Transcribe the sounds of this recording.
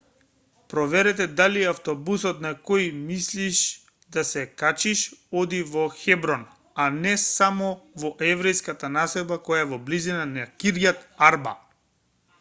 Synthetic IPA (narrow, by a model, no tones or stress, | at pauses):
pɾɔvɛɾɛt̪ɛd̪aliaft̪ɔbusɔt̪nakɔjmisliʃ | d̪asɛkat͡ʃiʃɔd̪ivɔxɛbɾɔn | anɛsamɔvɔʔɛvɾɛjskat̪anasɛd̪bakɔjavɔblizinanakiɾjat̪aɾba̰